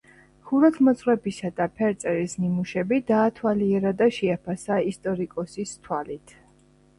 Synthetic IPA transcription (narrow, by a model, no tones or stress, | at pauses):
χuɾɔt̪ʰmɔt̪sʼχwɛpisad̪apʰɛɾt̪sʼɛɾisnimuʃɛbid̪aːt̪ʰwaliɛɾad̪aʃɛapʰasaist̪ʼɔɾikʼɔsist̪ʰwalit̪ʰ